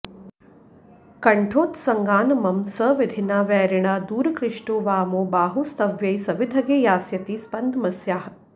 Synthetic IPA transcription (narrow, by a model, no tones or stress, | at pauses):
kɐɳʈʰoːt̪sɐŋɡaːnɐmɐmsəʋid̪ʱinaːʋɛːɾiɳad̪uːɾɐkɾɪʂʈoːʋaːmoːbaːɦust̪ɐʋjɐjsɐʋid̪ʱɐɡeːjaːsjɐt̪ispɐnd̪ʱmɐsjaːɦ